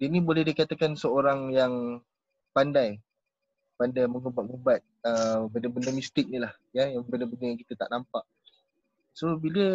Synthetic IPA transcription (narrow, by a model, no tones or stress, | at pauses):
dinĩbolɛhdikat̪akansəoɾaŋjaŋ | pandaj | pandajməŋubat̪̚ŋubat̪̚əbəndabəndəmist̪ɪk̚nilah | jajabəndabəndəjaŋkit̪ət̪a̰ʔnampaʔ | sobilə